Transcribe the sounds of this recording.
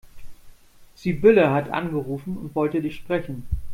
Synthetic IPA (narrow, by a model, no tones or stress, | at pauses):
z̥iːbɪləɦatʔa̰nɡəʁuːfn̩ʊ̰ntv̥ɔltədɪçʃpʁ̥ɛçn̩